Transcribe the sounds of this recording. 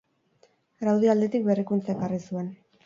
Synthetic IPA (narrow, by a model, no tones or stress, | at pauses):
ɡɾawð̞iald̪e̞t̪ik̚berikunt͡saekarisue̞n